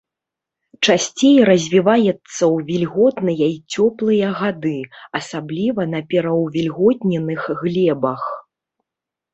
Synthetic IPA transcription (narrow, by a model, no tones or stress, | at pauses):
t͡ʂasʲt͡sʲejɾɐzʲvʲivajɛt̪sːɐwvʲilʲɣɔt̪nɨjɐit͡sʲɔplˠɨjɐɣad̪ɨɐsablʲivɐnɐpʲɛɾɐwvʲilʲɣɔt̪ʲnʲɛnɨxɣlʲɛbɐx